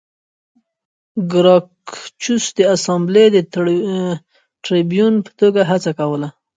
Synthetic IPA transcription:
ɡɾɑkt͡ʃusd̪əasambled̪ə | ʈɾibjunpə̥t̪oɡaɦat͡sakawəla

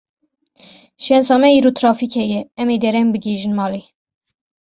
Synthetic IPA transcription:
ʃɛnsɑːmɛiːɾoːt̪ʰɾɑːfikhɛjɛɛmed̪ɛɾɛmbɨɡeːʒɨnmɑːli

